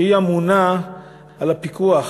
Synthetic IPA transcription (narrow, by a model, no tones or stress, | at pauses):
iamuna | alapikuaχ